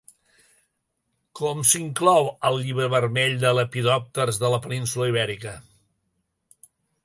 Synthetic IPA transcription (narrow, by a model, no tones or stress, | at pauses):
kɔmsiŋklɔwəlˠʎiβɾəβəɾmɛʎd̪ələpiðɔp̚t̪ərzðələpəninsuləiβ̞ɛɾikə